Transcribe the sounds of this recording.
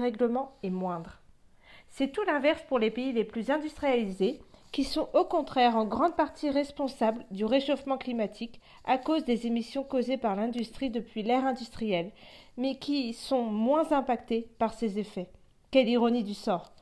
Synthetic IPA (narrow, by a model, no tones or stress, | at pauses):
ʁɛɡləmɑ̃ɛmwɛ̃d̪ʁ | sɛt̪ulɛ̃vɛʁspuʁlepeileplyzɛ̃d̪yst̪χijalizekʲisɔ̃ʔokɔ̃t̪χɛʁɑ̃ɡʁɑ̃d̪̚paʁt̪ʰiʁɛspɔ̃sabld̪yʁeʃofmɑ̃klimat̪ʰik | akozd̪ezemisjɔ̃kozepaʁlɛ̃d̪yst̪χid̪əpɥilɛʁɛ̃d̪yst̪χijɛl | mɛkʲisɔ̃mwɛ̃zɛ̃pakt̪epaʁsezefɛ | kɛliʁɔnid̪ysɔːʁ